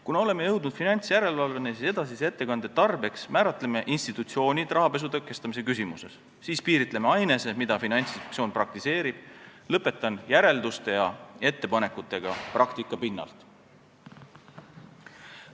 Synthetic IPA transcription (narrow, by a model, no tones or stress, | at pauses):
kunɑo̞le̞mejɤ̞wd̪nud̪̥finɑnʲt̪sjæɾe̞lvɑlve̞nesise̞d̪ɑsise̞t̪ːe̞kɑnd̪̥e̞t̪ɑrb̥e̞ksmæːɾɑt̪ːˑle̞me̞ʔinst̪it̪ːˑut̪sio̞ːnʲid̪̥rʔɑɦɑpe̞s̬ut̪ɤkːˑe̞st̪ɑmis̬e̞kys̬ʲimuse̞̰sː | iːspiːɾit̪ˑle̞meɑjne̞se̞mid̪̥ɑfinɑnʲt̪sit̪sio̞ːnprɑk̚t̪ise̞ːɾib̥̚lɤpːˑe̞t̪ːˑɑnjæɾe̞ld̪ust̪e̞jɑe̞t̪ːe̞pɑne̞kut̪ːˑe̞ɡ̥ɑprɑkt̪ikːˑɑpinːɑ̰lt̪